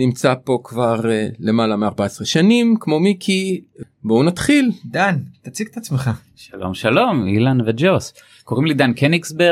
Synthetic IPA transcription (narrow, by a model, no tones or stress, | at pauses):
nimt͡sapo̞kvaʁle̞malameaʁbaesʁeʃanimkmo̞mikʰi | bounat̪χild̪ant̪at͡siɡt̪at͡smeχa | ʃalo̰mʃalo̞mḭlanved͡ʒos | ko̞ʁimlid̪ankeniksbe